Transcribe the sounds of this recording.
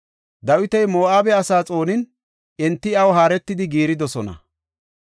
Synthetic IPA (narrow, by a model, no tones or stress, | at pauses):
d̪ɐwɪt̪ɐjmoːʔaːbɛɐsaːt͡sʼo̞ːnɪn | ʔɪnt̪ːɪɐwɦaːɾɛt̪ːɪd̪ɪɡiːɾɪd̪ɔsɔnɐ̰